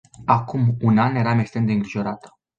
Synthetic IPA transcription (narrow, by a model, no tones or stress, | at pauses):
akumunanje̞ɾamekst̪ɾemd̪e̞ɨŋɡɾiʒo̞ɾat̪ə̥